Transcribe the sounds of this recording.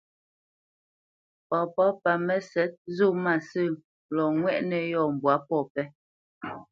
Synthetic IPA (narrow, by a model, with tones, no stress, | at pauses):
pɔ˨pɔ˦pa˨mɛ˦sɛ˨˦t̚zu˦˨ma˨sə˦˨ | lɔ˨ŋwɛ˦ʔnɛ˨jɔ˦˨m̩˨bwa˨˦pɔ˦˨pɛ˦